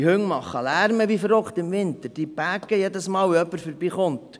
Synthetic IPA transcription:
hɵŋmɑχːəlæɾməʋifɾɔkt̪ɪmʋɪnt̪əɾd̥ib̥æɡəjed̪əsmɑːlœpːəɾfəɾbiːχʊnt

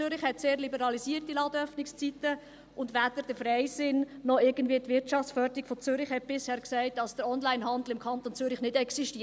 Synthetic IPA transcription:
ʏɾɪχhɛtseːɾlibɛɾɑlisiːəɾtilɑdœfnɪkst͡sit̪ə | ʊndʋæːd̥̪əɾd̥əfɾɛɪsɪnːɔɪɾɡ̥ən̩dviːətʋɪɾtt͡ʃɑft͡ssfœːɾd̪əɾikfɔt͡sʏɾɪχhɛt̚b̥ɪshɛːɾksɛɪt̚dɑsd̥əɾɔnlæɪnɦɑnd̪l̩ɪmkʰɑnt̪ont͡sʏɾɪχnɪdɛksiʃti

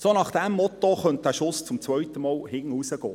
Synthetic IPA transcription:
sonɑχd̥ɛmːɔtoχœnt̚d̥̪æːʃʊst͡sʊmt͡sʋœʏtəmɑːlhɪnusəɡ̥ɔ̰ː

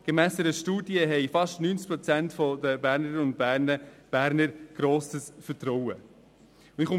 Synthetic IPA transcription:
ɡ̥emæːsdɛɾəʃtuːdjəɦɛɪfɑʃtnyːnt͡s̚pɾɔt͡sæntfɔd̪əbæːɾnəɾʊnt̚b̥æːɾnəb̥æːɾnəɾɡ̥ɾoːsəsfəɾtɾɔwə | ʊɪχʊ

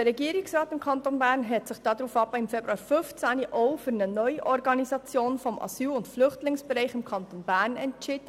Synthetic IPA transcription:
əɾɛɡiːəɾɪksʁɑːtɪmkʰɑntonbæːɾnɦɛtsɪχd̥ɑːd̪ɾuːfɑbəɪmfebɾuɑːɾfʏft͡sæniʔoʊfyɾnənœʏʔɔɾɡɑnisɑt͡sjoːnfɔmʔɑ̰syːlʊntflʏχtlɪŋsb̥ɛɾaɪχɪmkʰɑntonbæːɾnɛntt͡ʃɪːdə

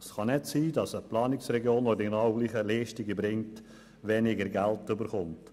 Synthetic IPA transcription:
sχɑnɛtsiːdɑsəplɑːnɪksrɛɡjoːnodinaʊlɪχəlɛːʃtɪɡəbɾɪŋt | ʋɛnɪɡəɾɡæltʏbəɾχʊnt

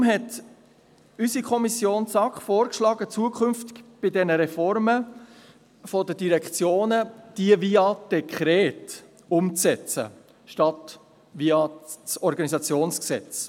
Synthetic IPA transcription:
mɦɛt | ysikʰɔmisjoːnsɑkχfoːɾkʃlɑːɡət͡suəkχʏnftɪ̥ɡb̥ɪdɛnəɾɛfɔɾmə | fɔdədiɾɛkt͡sjoːnəd̥iəviɑd̥ɛkʰχɾɛːt | ʊmt͡sɛt͡sə̰ | ʃtɑt | viɑt͡sɔɾɡɑnisɑt͡sjoːnsksɛt͡s

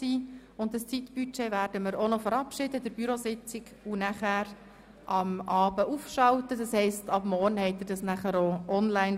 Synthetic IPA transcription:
siː | ʊnddɑst͡sitb̥yt͡ʃeːvæːɾd̥əməɾonɔfəɾɑpʃɪdədɪɾb̥yɾosɪt͡sɪɡ | unæχæːɾ | ʔɑmɑːbəʔufʃɑltədɑshɛɪstɑbmɔrnhɛɪt̪əd̥ɑsnæχəɾoʔɔnlæɪn

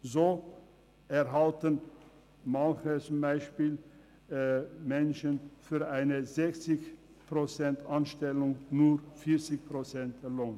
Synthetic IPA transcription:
zoː | ʔɛɐɦaltən | manxət͡sʊmbaɪʃpiːl | mɛnʃənfyːɐʔaɪnəzɛçt͡sɪç | pʁ̥ot͡sɛntanʃtɛlʊŋnuːfiːɐt͡sɪçpʁ̥ot͡sɛntdɛloːn

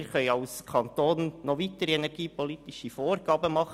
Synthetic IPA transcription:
ɾχœʏɑlskʰɑnt̪oːnːɔʋitəɾiɛnɛɾɡiːpɔlit̪iʃifoːrɡɑːbəmɑχ

